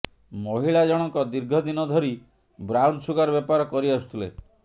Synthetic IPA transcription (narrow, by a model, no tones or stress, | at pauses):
moɦiɭad͡ʒɔɽ̃ɔŋkɔd̪iɾɡʱɔd̪inɔd̪ʱɔɾi | bɾawɳɖsuɡaɾɔbepaɾɔkɔɾiɔsu̥t̪ʰilḛ